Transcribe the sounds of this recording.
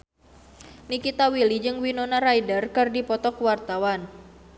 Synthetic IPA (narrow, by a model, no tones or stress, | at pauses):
nikit̪awilid͡ʒɨŋwinonaɾajdərkɨrdipɔt̪ɔkwart̪awan